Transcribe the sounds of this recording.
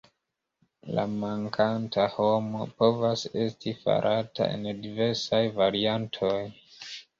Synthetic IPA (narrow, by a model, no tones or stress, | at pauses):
la̰maŋkʰantʰaho̞mo̞̰po̞vase̞stʰifa̰ɾʔata̰ʔe̞̰ndive̞ɾsajvaɾiantʰo̞j